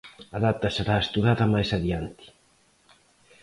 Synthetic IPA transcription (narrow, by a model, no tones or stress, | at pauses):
ɐðat̪ɐseɾaest̪uðaðɐmajsaðiant̪i̥